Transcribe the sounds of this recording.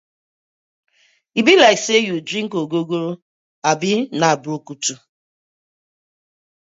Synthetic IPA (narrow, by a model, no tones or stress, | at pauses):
ibilaɪksejudɾĩŋ̩koɡoɡoɾ | abɪnaabokutu